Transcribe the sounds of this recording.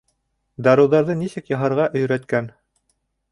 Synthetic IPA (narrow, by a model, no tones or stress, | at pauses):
d̪ɑɾɤ̆wðɑɾðɤnisɘkjɑɦɑɾʁɑʔɵ̆jɾæt̪kæn